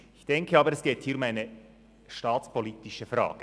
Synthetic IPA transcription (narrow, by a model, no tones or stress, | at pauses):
ɪçd̥ɛŋkʰəɑːbəɾɛsɡ̥eːthiːʊmaɪnə | ʃtɑːt͡spʰoliːtɪʃəfɾɑ̰ːɡ̥ə